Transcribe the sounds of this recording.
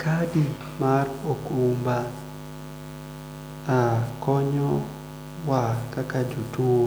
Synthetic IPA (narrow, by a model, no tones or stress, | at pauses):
kadi | marokumba | akɔɲɔ | wakakad͡ʒutuo